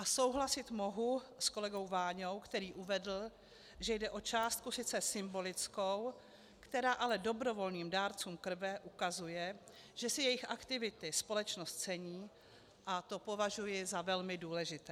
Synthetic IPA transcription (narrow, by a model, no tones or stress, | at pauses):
ʔaso̞wɦlasɪt̪mo̞ɦusko̞lɛɡo̞wvaːɲowkt̪ɛɾiːʔuvɛdl̩ | ʒɛjdɛʔo̞t͡ʃaːst̪̚kusɪt͡sɛsɪmbo̞lɪt͡sko̞w | kt̪ɛɾaːʔalɛdo̞bɾo̞vo̞lɲiːmdaːɾt͡suːmkr̩vɛʔukazujɛ | ʒ̥ɛsɪjɛjɪxʔakt̪ɪvɪt̪ɪspo̞lɛt͡ʃnost̪t͡sɛɲiː | ʔat̪o̞po̞vaʒujɪzavɛlmɪduːlɛʒɪt̪ɛː